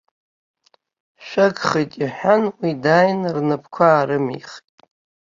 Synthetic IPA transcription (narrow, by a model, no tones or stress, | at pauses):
ʃʷᶣaɡχejtʼiħʷᶣanwidajnrnɨpʰkʷʰaːɾɨmḭχtʼ